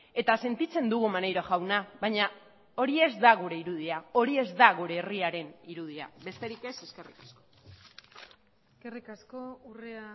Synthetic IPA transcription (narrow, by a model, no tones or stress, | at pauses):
e̞t̪ase̞nt̪it͡se̞nd̪uɣumanejɾoʝawnaβaɲa | o̞ɾie̞zd̪aɣuɾe̞iɾuð̞iao̞ɾie̞zd̪aɣuɾe̞ːriaɾe̞niɾuð̞ia̰be̞st̪e̞ɾike̞se̞ske̞rikasko̞̥ | eskerikaskourea